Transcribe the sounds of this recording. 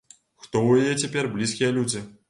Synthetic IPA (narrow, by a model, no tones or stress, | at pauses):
xt̪ɔwjajɛt͡sʲapʲɛrblʲiskʲijɐlʲud͡zʲi